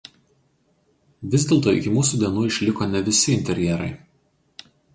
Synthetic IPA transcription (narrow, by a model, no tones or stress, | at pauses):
ʋʲɪzʲd̪ʲeːlˠt̪oːɪ̰kʲɪmuːsuːˑd̪ʲiɛnuːɪʃʲlʲɪkoːnʲɛʋʲɪsʲɪɪnʲt̪ʲɛɾʲjɛɾɐ̰ɪ